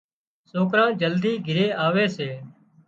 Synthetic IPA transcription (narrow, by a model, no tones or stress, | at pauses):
soːkɾãːd͡ʒəld̪iːɡʱɪɾeːʔaːʋeːseː